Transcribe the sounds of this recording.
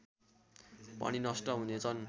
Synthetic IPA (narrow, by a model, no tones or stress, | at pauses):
pa̰ɽ̃inʌsʈʌɦunet͡sʰʌn